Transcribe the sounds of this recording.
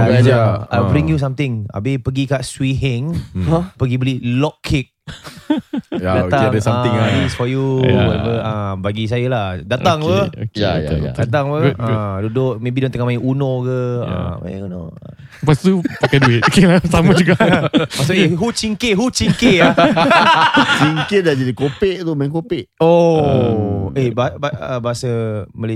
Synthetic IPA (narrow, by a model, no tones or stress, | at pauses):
aɡad͡ʒaabɾiŋjus̬amt̪ɪŋa̰bɪpəɡikaʔswiɦɪŋpəɡibəlilɔkʰːɪk̚ | daaŋaãdisfɔjupəabaɡis̬ajəladat̪aŋpəokdat̪aŋpədudʊk̚mebidɔ̃ŋt̪əŋamajiunokəa̰ma̰j̰uno̰ | past̪upakaduɪt̪̚okelasamad͡ʒuɡaʔpasueɦuʔt͡ʃiŋkeɦut͡ʃiŋkeja | t͡ʃiŋkedad͡ʒadikopeʔt̪umajiŋkopɪʔo | ebabəbaɦasəməli